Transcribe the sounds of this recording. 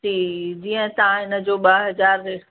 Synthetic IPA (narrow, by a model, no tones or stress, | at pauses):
t͡ɕʰiːd͡ʑiːə̃t̪ɐãɪnə̆d͡ʑoːɓaɦɐzaːɾːeː